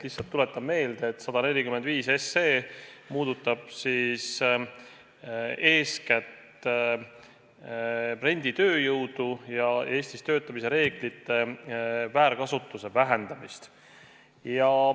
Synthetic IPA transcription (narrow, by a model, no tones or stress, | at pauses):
lihsːɑlt̪ːule̞t̪ːˑɑbme̞ːld̪̥eːt̪ːsɑd̪̥ɑne̞lʲikyme̞nd̪viːse̞sːeːmuːd̪̥ut̪ːˑɑb̥sis | e̞ːskæt̪ | pre̞nʲd̪̥it̪ø̞ːjɯwd̪̥ujɑe̞ːsʲt̪ist̪ø̞ːt̪ːˑɑmis̬e̞ɾe̞ːɡ̥lit̪ːˑe̞væːɾkɑsut̪ːˑuse̞væɦe̞nd̪̥ɑmist̪ | jɑ